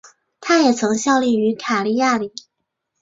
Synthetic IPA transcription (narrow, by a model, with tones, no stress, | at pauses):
t̪ʰa˥jɛ˨˩t͡sʰɤ˧˥ŋɕjɑ˥˧ʊli˥˩y˧˥kʰa˨˩li˥˧ja˥˩li˨˩˦